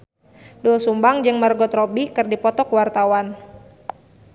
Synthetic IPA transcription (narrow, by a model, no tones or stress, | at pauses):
dɔlsumbaŋd͡ʒɨŋmərɡɔt̪rɔbikɨrdipɔt̪ɔkuwart̪awan